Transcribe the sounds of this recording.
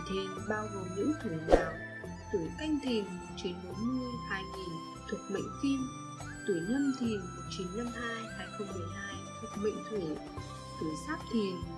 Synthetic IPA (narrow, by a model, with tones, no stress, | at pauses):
t̪ʰi˨˩ənɓaː˧wɣo˨˩mnɨ̰˧˥t̪ʰu˧˩ɲaː˨˩w | t̪u˧˩ka˧jŋ̟t̪ʰi˨˩nm̚˨˩t͡ɕi˨˦nmo˨˦t̚mɨ˧əhaː˧jŋi˨˩n | t̪ʰu˨˩ək̚mə̰˧˨jŋ̟fi˧m | t̪u˧˩ɲə˧mt̪ʰi˨˩nm˨˩t̚t͡ɕi˨˦nːa˧mhaː˧jhaː˧jxə˧ŋ͡mmɨ˨˩əjɦaː˧jt̪ʰu˨˩ək̚mə̰˧˨ŋ̟t̪ʰu˧˩ | t̪u˧˩saː˦˥p̚t̪ʰi˨˩ən